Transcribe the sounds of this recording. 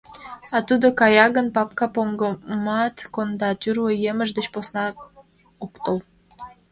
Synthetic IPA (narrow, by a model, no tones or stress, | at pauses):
ɑt̪ud̪okɑjɑɡə̆npap̚kapoŋɡomɑt̪kond̪ɑt̪ʲyɾwəjemə̆ʃd̪ə̆ɕposnɑk | upt̪ow